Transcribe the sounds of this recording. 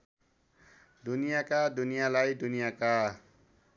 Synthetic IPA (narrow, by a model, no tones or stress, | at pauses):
d̪unijakad̪unijalajd̪unijaka